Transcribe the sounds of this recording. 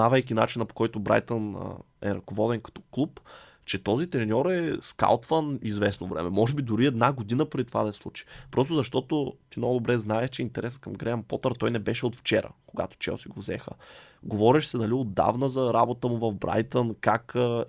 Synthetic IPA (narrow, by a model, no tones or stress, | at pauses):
navɐjkʲinat͡ʃinəpo̥kɔjt̪ʊbɾa̰jt̪ən̰ | ɛ̰ɾɐkovɔd̪ɛnkɐ̥t̪ɔ̥klˠup | t͡ʃɛt̪ɔzit̪ɾɛnʲɔɾɛska̰lˠt̪vənizvɛsnovɾɛ̰mɛmɔʒɛbid̪ʊɾiɛd̪naɡod̪inəpɾɛit̪ovad̪ɐɛslˠut͡ʃi̥pɾʔɔst̪ʊzɐʃt̪ɔt̪ot̪inoɡʊd̪obɾɛznaɛʃt͡ʃɛint̪ɛɾɛskɐmɡɾɛɐmpɔt̪əɾt̪ɔjnɛbɛʃɛot̪ft͡ʃɛ̰ɾə̰koɡa̰t̪o̥t͡ʃɛ̰o̰siɡovzɛ̰xə̰ɡovɔɾɛʃsɛnɐliod̪ːa̰vnəzɐɾabot̪əmʊvɐvbɾa̰jt̪ənkak